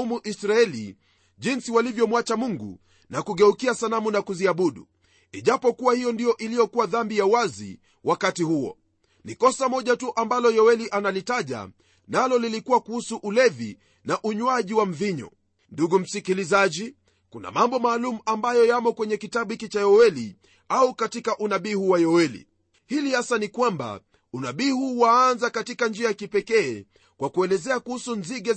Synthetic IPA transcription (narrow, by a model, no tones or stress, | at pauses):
umuʔisɾaɛlḭ | ʄinsiwalivjɔmwat͡ʃamuŋɡṵ | nakuɠɛukiasalamunakuziaɓuɗṵ | iʄapɔkuwahijɔndijɔʔilijɔkuwaðambijauwazḭ | wakatihuɔ̰ | nikɔsamɔʄatuʔambalɔjɔwɛliʔanalitaʄa̰ | nalɔlilikuwakuhusuʔulɛvi | naʔuɲwaʄiwam̩viɲɔ̰ | nduɡum̩sikilizaʄi | kuna̰mambɔmaːlumuambajɔjamɔkwɛɲɛkitabɓuhikit͡ʃajɔwɛli | aukatikaʔunaɓihuwajɔwɛlḭ | hilihasanikwamba̰ | unaɓihuwaanzakatikand͡ʒiajakipɛkɛː | kwʔakuɛlɛzɛakuhusunziɠɛ